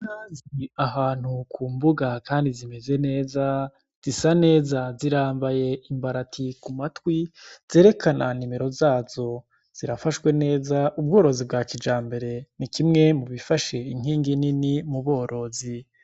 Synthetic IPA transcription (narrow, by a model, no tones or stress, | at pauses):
naːziaɦaːn̥hukʰuːmbuɡakaːndizime̞ze̞ne̞ːza | z̥isane̞ːzaziɾaːmbaje̞imbaɾatʰikumatwiz̥e̞ːɾe̞kʰananime̞ɾo̞zaːz̥o̞ | z̥iɾafaʃwe̞ne̞ːzaʔub̚ɡo̞ːɾo̞zibɡaːkid͡ʒaːmbe̞ɾe̞nikimŋe̞muβifaʃe̞iŋ̥hiːŋɡininimuβo̞ːɾʔo̞zi